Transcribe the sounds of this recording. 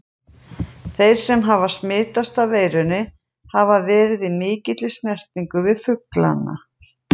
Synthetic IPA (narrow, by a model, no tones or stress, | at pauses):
θejɾ̥sɛmɦavasmɪːt̪ast̪aveːjɾʏnɪ | havavɛːɾɪðɪmɪːcɪt̪lɪsnɛr̥t̪niŋkʏvɪðfʏkla̰nːa̰